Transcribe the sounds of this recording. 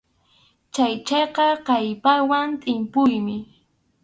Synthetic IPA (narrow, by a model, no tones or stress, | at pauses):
t͡ʃajt͡ʃɑqɑqɑjpawant̪ʼɪmpʊjmɪ